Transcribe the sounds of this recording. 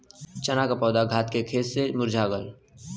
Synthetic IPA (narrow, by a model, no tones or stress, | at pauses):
t͡ʃənakapɔːd̪aɡʱaːt̪kekʰeːsːemʊɾd͡ʒʱaːɡəl